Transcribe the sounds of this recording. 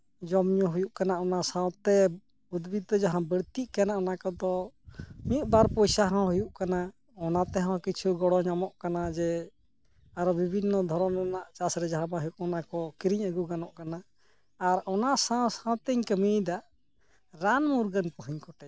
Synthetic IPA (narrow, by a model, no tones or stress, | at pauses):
d͡ʒɔmɲɔɦujuʔkanaɔnasãwt̪ɛ | bud̪bit̪ɔd͡ʒaɦãbəɽt̪iʔkanaʔɔnakɔd̪ɔ | miut̪̚baɾpɔjsaɦãw̃ɦujuʔkana | ɔnat̪ɛɦɔ̃wkit͡ʃʰuɡɔɽɔɲamɔʔkanad͡ʒɛ | aɾɔbibʱinːɔd̪ʱɔɾɔnɾɛnaʔt͡ʃasɾɛd͡ʒaɦãbaɦujuʔɔnakɔkiɾiɲəɡuɡanɔʔkanaː | ɾɔnaʔsãw̃sãw̃t̪ɛɲkəmid̪aʔ | ɾanmuɾɡənpɔɦiɲkɔʈɛ